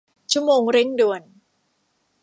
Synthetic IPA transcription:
t͡ɕʰu˥˨moː˧ŋɾe˦˥˩ŋdu˧ən

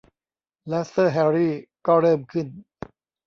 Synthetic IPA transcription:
lɛ˦˥sɤː˥˩ɦɛ˧˥ɾiː˥˩kɔː˥˩ɾɤː˥˩mkʰɯ˥˩n

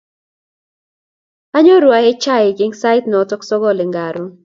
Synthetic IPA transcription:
a˦ɲɔ˦ɾwa˨˦e˦t͡ʃa˦˨ɪ˨ɡɪ˦ŋsa˦jt̪nɔ˨˦tɔ˦ksɔ˦ɡɔ˦˨lɪ˨ŋɡa˨ɾʊ˦

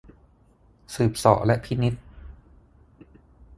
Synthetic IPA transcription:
sɯː˨˩p̚sɔ̰ː˨˩ʔlɛ˦˥ʔpʰi˦˥ni˦˥t̪̚

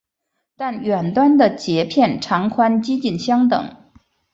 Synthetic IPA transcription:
t̪a˥˩nɥɛ˨˩nt̪wa˥nd̪ə˨t͡ɕjɛ˧˥pʰjɛ˥˩nʈ͡ʂʰɑ˧˥ŋkʰwa˥nt͡ɕi˥t͡ɕi˥˩nɕjɑ˥ŋt̪ɤ̰˨˩˦ŋ

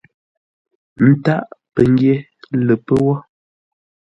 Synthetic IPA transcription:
n̩˦ta˦ʔpə˨ŋ˦ɡje˦ | lə˨pə˦wɔ˦

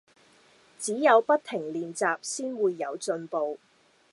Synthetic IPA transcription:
t͡siː˨˥jɐ˨˧wpɐ˥t̚t̪ʰɪ˨˩ŋliː˨nt͡saː˨p̚siː˥nwuː˨˧jːɐ˨˧wt͡sɵ˧npo˧w

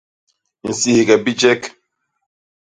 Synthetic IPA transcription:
n̩˨si˨hi˨ɡɛ˨bi˦d͡ʒɛ˦k

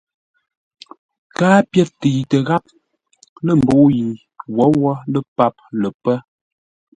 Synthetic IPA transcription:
kaː˦pjɛ˦tə˨tə˨ɣa˦p̚ | lə˦m̩˨bo˨˦ji˨ | wɔ˨˦wɔ˦lə˦pa˦p̚lə˨pə˦

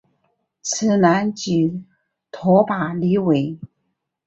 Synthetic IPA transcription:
t͡sʰɹ̩˨˩na˧˥nt͡ɕi˨˩ | t̪ʰɔ˧˥pa˨˩li˧˥we˨˩˦ɪ

